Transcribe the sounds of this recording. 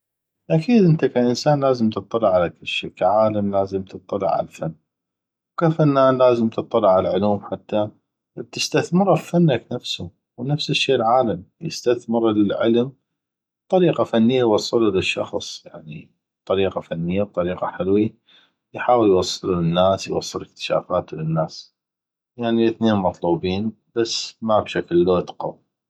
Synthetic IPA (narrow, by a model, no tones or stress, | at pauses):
ʔakiːd̪ʔənt̪akaʔɪnsaːnlaːzəmt̪ɨt̪ˤːɑlːɪʕalakɪlʃiːkaʕaːlamlaːzəmt̪ʰɨt̪ˤːɑlːɪ̰ʕa̰la̰fanː | wkafanːaːnlaːzəmt̪ɨt̪ˤːɑlːɪʕalʕʊluːmħat̪ːa | b̚t̪ɪst̪aθmɨɾaffanːaknafsu | wnafsɪʃːeːʔlʕaːlamjɪst̪aθmɪɾlɪlʕɪ̰lm | b̥̚t̪ˤɑɾiːqafanːɪjːajwɑsˤːɨlulɪʃːɑ̰xsˤjaʕni | b̥̚t̪ˤɑɾiːqafanːɪjːab̚t̪ˤɑɾiːqɑ̰ħɪlwi | jħaːwəljwɑsˤːɨlulɪnːaːsjwɑ̰sˤːɨlɪk̚t̪ɪ̥ʃa̰ːfaːt̪lɪnːaːs | jaʕnilɪθneːnmɑt̪ˤluːbiːn | b̥asːmabʃaklːoːt̪qɑ̰w